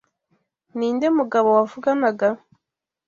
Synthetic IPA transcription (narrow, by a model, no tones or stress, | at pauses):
niːnde̞muɡaβo̞wavuɡanaɡa